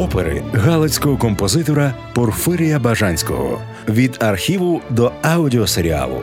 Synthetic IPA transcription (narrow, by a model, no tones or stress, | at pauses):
ɔpeɾɪ̰ɣɑlˠɐt͡sʲkɔɦɔkɔmpɔzɪt̪ɔɾɐ | pɔrfɪɾʲijɐbɐʒanʲsʲkɔ̰ɦɔ̰ | ʋʲid̪ɐrxʲiʋʊd̪ɔɐʊdʲɪɔseɾʲia̰lˠʊ̰